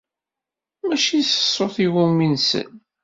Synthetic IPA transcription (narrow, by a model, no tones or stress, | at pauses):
mæʃiθə̥sˤːoθiwuminsə̰n